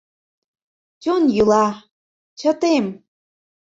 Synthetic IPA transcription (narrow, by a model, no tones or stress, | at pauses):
t͡ɕʲonjylɑ | t͡ɕə̆t̪em